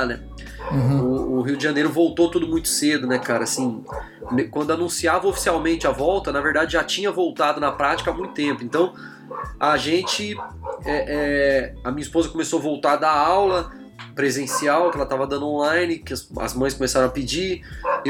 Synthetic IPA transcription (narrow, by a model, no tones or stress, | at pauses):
nɛ | ʊːɦiwd͡ʒɪʒɐ̃nejɾʊvowt̪ot̪ud̪ʊmũj̃t̪ʊ̥sed̪ʊnɛkaɾɐasĩ | mkwɐ̃nd̪ʊanũsiavɐofi̥siawmẽnt͡ʃɪɐvɔwt̪ɐnɐveɾd̪ad͡ʒɪʒat͡ʃĩɲɐvowt̪ad̪ʊnɐpɾat͡ʃi̥kɐamũj̃t̪ʊ̥t̪ẽmpʊẽnt̪ɐ̃w̃ | ɐʒẽt͡ʃɪɛʔɛɐmĩɲɐispozɐkomesoɐvowt̪aɾd̪ɐawlɐ | pɾezẽsiawkɪɛlɐt̪avɐd̪ɐ̃d̪õlãj̃nɪkɪɐɐ̰zmɐ̃j̃skõmesaɾɐ̃ɐpid͡ʒi